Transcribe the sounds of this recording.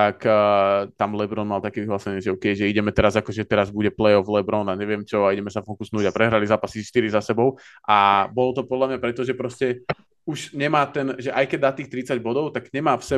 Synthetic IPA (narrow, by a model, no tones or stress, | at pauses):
t̪akː | t̪amlɛbɾɔnmalt̪akɛːʋiɦlaːsɛɲɪɛʒɛɔkɛjʒɛiɟɛmɛt̪ɛɾazakɔʒɛt̪ɛɾazbuɟɛplɛjɔvlɛbɾɔnaɲɛʋɪɛmt͡ʃɔaiɟɛmɛsavɔkusnuːɟapɾɛɦɾalizaːpasiʃt̪iɾizasɛbɔʊʔabɔlɔt̪ɔpɔd̪lamɲapɾɛt̪ɔʒɛpɾɔscɛ | uʒɲɛmaːt̪ɛnʒɛʔajkɛɟd̪aːt̪iːxt̪ɾit͡saɟbɔd̪ɔʊt̪aɡɲɛmaːfsɛ